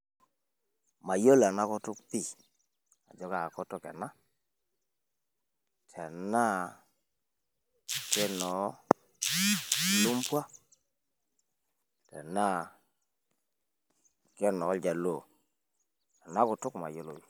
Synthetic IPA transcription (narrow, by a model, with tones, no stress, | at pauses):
ma˨jo˦la˨na˦kɔ˦tʊ˦kpi˦˨ | a̰˨d͡ʒɔ˦ɡa˨kɔ˦tɔ˦kɛ̰˨na˦ | tʰɛ˨na˦ | kɛ˦nɔ˨˦˨ | lu˦mpwa˦ | tɛ̰˨na˦˨ | kɛ˦nɔ˨˦ld͡ʒa˨lo˦˨ | a˨na˦kɔ˨tʊ˦kma̰˨jo˦lo˨